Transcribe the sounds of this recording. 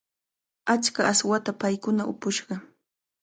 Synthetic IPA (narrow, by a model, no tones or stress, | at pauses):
at͡ʃkaʔːswat̪apajkʊnaʔʊpʊʃɢɑ